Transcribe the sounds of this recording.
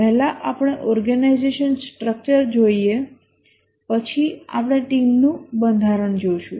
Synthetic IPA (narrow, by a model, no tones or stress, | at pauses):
pɛɦlaʔapɽ̃eʔɔɾɡənaizeʃənsʈɾək̚t͡ʃəɾd͡ʒoie | pət͡ʃʰia̰pɽ̃eʈimnũbənd̪ʱaɾəɳd͡ʒoʃũ